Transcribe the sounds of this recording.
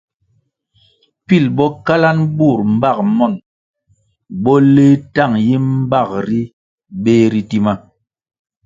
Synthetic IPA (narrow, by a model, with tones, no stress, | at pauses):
pi˦˨lbɔ˦ka˦la˦nbu˦˨ɾm̩˨˦ba˦˨k̚mɔ˦˨n | bɔ˦le˦ta˦˨ŋji˦m̩˦ba˦˨k̚ɾi˦ | be˦ɾi˦ti˦ma˦